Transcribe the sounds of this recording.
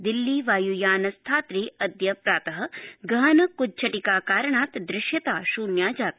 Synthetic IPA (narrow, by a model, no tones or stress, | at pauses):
d̪ilːiːʋaːjujaːnɐst̪ʰaːt̪ɾiːʔɐd̪jɐpɾaːt̪ɐɦɐ̆ɡɐɦɐnɐkutːt͡ʃʰɐʈikaːkaːɾɐɳaːt̪d̪ɾɪʃjɐt̪aːʃuːnjaːd͡ʒaːt̪̚